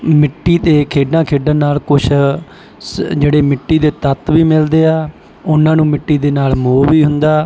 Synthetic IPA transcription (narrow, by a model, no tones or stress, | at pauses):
mɪʈːiːt̪eːkʰeːɖãːkʰeːɖənaːlkʊt͡ʃʰ | d͡ʒeːɽeːmɪʈːiːd̪eːt̪ət̪ʋiːmɪld̪eːaː | ʊnãːnũːmɪʈːiːd̪eːnaːlmoːʋiːɦʊnd̪aː